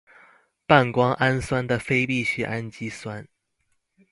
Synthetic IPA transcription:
pa˥˩nkwɑ˥ŋʔa˥nswa˥nd̪ə˨fe˥ɪpi˥˩ɕy˥˩ʔa˦nt͡ɕi˥swa˦˥n

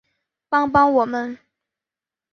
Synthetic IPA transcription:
pɑ˥ŋpɑ˥ŋwɔ˨˩mə˦n

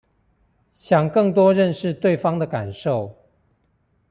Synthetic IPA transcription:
ɕjɑ˨˩ŋkɤ˥˩ŋt̪wɔ˥ɻə˥˧nʂɻ̩˥˧t̪we˥˨˩ɪfɑ˥ŋd̪ə˨ka˨˩nʂo˥˩ʊ

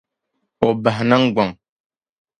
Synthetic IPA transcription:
o˨ba˨hna˦ŋɡa˨ŋ

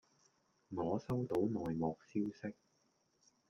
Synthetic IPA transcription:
mɔː˨˥sɐ˥wt̪o˨˥wnɔː˨jmɔː˨k̚siː˥wsɪ˥k̚

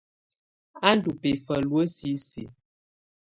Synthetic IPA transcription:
a˦n˦du˨pe˨fə˨lwə˦si˦sḭ˨˦

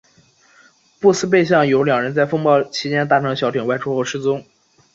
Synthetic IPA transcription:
pu˥˩sɹ̩˥p̬e˥˧ɪɕ̬jɑ˥˩ŋjo˧˥ʊljɑ˨˩ŋɻə˧˥nt͡sa˥˩ɪfɤ˥ŋpɑ˥˩ʊt͡ɕʰi˧˥t͡ɕjɛ˥nt̪a˥˩ʈ͡ʂʰɤ˧˥ŋ˩ɕjɑ˧˥ʊɛ˨˩ŋwa˥ɪʈ͡ʂʰu˥xo˥˧ʂɻ̩˥˩t͡sʊ˥ŋ

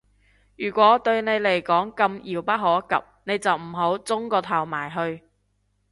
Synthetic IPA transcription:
jyː˨˩kʷɔː˨˥t̪ɵ˧ɥne˨˧jle˨˩jkɔː˨˥ŋkɐ˧mjiː˨˩wpɐ˥t̚ɦo˨˧wɐ˥kɐ̰˨p̚ne˨˧jt͡sɐ˨wm̩˨˩ɦo˨˥wt͡sʊ˥ŋkɔː˧t̪ʰɐ˨˩wmaː˨˩jɦɵ˧ɥ

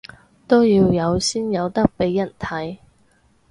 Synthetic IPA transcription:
t̪o˥wjiː˧wjɐ˨˧wsiː˥njɐ˨˧wt̪ɐ˥k̚pe˨˥jːɐ˨˩nt̪ʰɐ˨˥j

